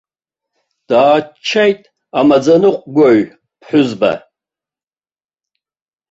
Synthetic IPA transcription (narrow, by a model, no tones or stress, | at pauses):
d̥aːt͡ʃʰːajtʼ | amad͡zanɨqʷʼɡʷaɥ | pʰħʷᶣʊzba̰